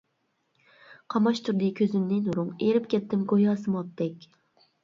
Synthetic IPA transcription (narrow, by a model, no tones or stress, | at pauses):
qʰɑmɑʃt̪ʰuɾd̪ɨkʲʰøzymnɪnuɾuŋeɾɪpkʲʰɛt̪ːɪmɡojɑːsɨmɑp̚d̪ɛkʲ